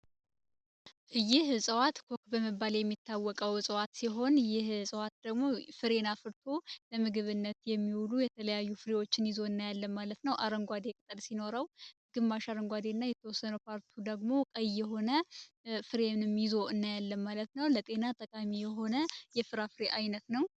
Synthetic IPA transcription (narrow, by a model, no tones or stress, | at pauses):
jɪhsʼəwat̪kʰo̞kbəmɨbaljɛmːit̪ʰːawːɔkʼəwsʼəwat̪siɦo̞njɪhsʼəwat̪̚d̪̥əɡmo̞fɨɾe̞nafɨɾt̪ʰo̞ləmɨɡɨβɨnːət̪jɛmːiwulujɛt̪ʰələjajːufɨɾewo̞t͡ʃːɪnjɪzo̞ɨnːajalːəmːalət̪nəwʔaɾəŋɡʷad̪e̞kʼɨt̪ʼɨlsino̞ɾəw | ɡ̥ɨmːaʃaɾəŋɡʷad̪e̞nːajɛt̪ʰəwɔsːənəwpʰaɾt̪ʰud̪əɡmo̞kʼəjːɛɦo̞nə | fɨɾenɨmjɪzo̞ɨnːajalːəmːalət̪nəwlət̪ʼe̞nat̪ʼəkʼamijɛɦo̞nəjɛfɨɾafɨɾeʔajnət̪nəw